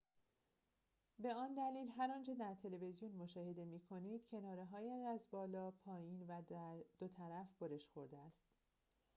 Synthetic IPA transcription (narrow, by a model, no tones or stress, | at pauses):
be̞ɒːnd̪æliːlɦæɾɒːnt͡ʃʰed̪æɾt̪ʰe̞le̞ve̞zijunmoʃɒːhe̞d̪e̞miːkʰo̞niːd̪̥cʰe̞nɒːɾeɦɒːjeʃæzbɒːlɒːpʰɒːjiːnvæd̪̥ot̪ʰæɾæfb̥oɾeʃxo̞ɾd̪eæst̪